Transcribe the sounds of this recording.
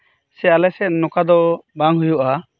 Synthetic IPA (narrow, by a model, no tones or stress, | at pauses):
sɛalɛsɛt̪̚nɔkad̪ɔbaŋɦujuʔa